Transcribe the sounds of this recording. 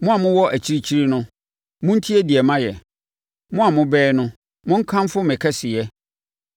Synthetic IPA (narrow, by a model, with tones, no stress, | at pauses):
mʊ̃˦a˨mʊ̃˦wɔ˦ʔæ˨t͡ɕʰi˦ɾi˦t͡ɕʰi˦ɾi˦nʊ̃˦ | mʊ̃˦n̩˦tʰi˦ɛ˦di˨ɛ˨mã˦jɛ˨ | mʊ̃˦a˨mʊ̃˦bɛː˦nʊ̃˦ | mʊ̃˦ŋ̩˦kʰã˦m˦fʊ˦mɪ̃˨kʰɛ˦sɪ˨jɛ˦